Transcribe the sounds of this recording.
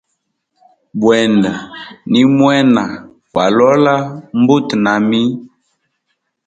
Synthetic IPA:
bwɛ˨nda˨ni˦mwɛ˦na˨ | kwa˨lɔ˦la˦m˦bu˦tna˨mi˦

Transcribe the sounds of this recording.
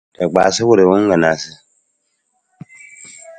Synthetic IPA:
ɛ˨ɡ͡baː˨sɪ˦wʊ˦ɾe˨wʊ˦ŋ˦ɡa˨naː˨sɪ˦

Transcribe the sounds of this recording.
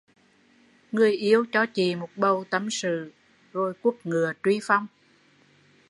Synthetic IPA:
ŋɨ˨˩əjʔi˨˧˦əwt͡ɕɔ˧t͡ɕi˨mo˨˩t̚ɓə˧˩wt̪ə˨˦msɨ̰˧˨ | zo˧jku˦˥ək̚ŋɨ˨˩ət͡ɕwi˧fa˧wŋ͡m

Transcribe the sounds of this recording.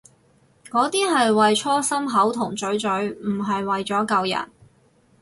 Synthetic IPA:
kɔː˨˥t̪iː˥ɦɐ˨jwɐ˨jt͡ʃʰɔː˥sɐ˥mɦɐ˨˥wt̪ʰʊ˨˩ŋt͡sɵ˨˥ɥt͡sɵ˨˥ɥm̩˨˩ɦɐ˨jwɐ˨jt͡sɔː˨˥kɐ˨˧wjɐ̰˨˩t̚

